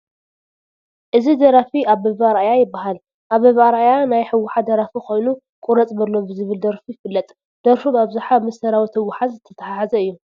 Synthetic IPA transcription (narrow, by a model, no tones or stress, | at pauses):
ʔɨzid̪ɐɾafiaβbɐβaɾajajɪbːaɦal | ʔaβɐβaɾajanajħɨwːʊħad̪ɐɾafikʰo̞jnu | kʼuɾɐt͡sʼbɐlːo̞bɨzɨβɨld̪ɐɾfijɪfɨlːɐt̪ʼ | d̪̥ɐɾfumaβzaħamɐsɐɾawit̪ʰɐwːʊħazzɨt̪ʰːɐt̪ʰɐħaħazɐɨjːu